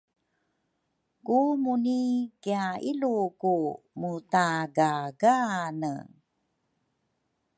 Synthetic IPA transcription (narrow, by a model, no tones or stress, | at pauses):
kumunikiailuku | mutaɡaɡanə̰